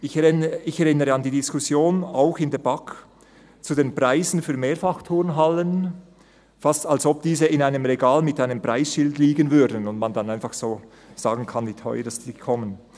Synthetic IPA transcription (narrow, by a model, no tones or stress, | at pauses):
ɪçɛɪçɛʁɪnəʁəɑndiːdɪskʊsjoːnaʊxɪndeːbak | t͡sudenpʁ̥aɪzn̩fyːɐmeːɐfɑχtʰʊʁnɦalən | fastalsɔb̚d̥iːzəɪnaɪnəmʁeɡaːlmɪtaɪnəmpr̥aɪsʃɪltliːɡənvʏɐdn̩ʊntmandanaɪnfɑχsoː | z̥aːɡn̩kʰɑndiːtʰɔ̰ʏədɑstiːkʰɔmən